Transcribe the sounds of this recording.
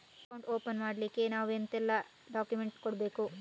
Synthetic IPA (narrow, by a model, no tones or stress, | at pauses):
ɐkɐwɳʈoːpɐnmaːɽlikːe̞naːʋent̪ɛlːɐ | ɖaːkjumeɳʈkoɽbe̞ːku